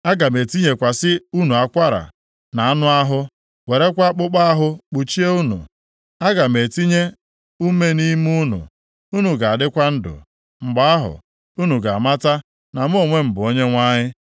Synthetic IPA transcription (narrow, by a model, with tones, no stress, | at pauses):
a˦ɡa˨me˨ti˦ɲe˨kʷa˨sɪ˦u˦nu˨a˨kʷa˦ɾa̰˨ | na˨a˦nʊ˦a˦ɦʊ˦ | we˨ɾe˦kʷa˦k͡pʊ˦k͡pa˦a˦ɦʊ˦k͡pu˨t͡ʃi˦e˦u˦nṵ˨ | a˦ɡa˨me˨ti˦ɲe˦ | u˦me˦ni˦m˦u˦nṵ˨ | u˦nu˨ɡa˨a˨dɪ˦kʷa˦n̩˦dʊ̰˨ | ŋ͡m̩˨ɡ͡ba˦a˦ɦʊ̰˨ | u˦nu˨ɡa˨ma˦ta˦ | na˨m˦o˦˨ŋʷe˦m̩˨bʊ˨o˦ɲe˦ŋʷa˦ɲɪ˦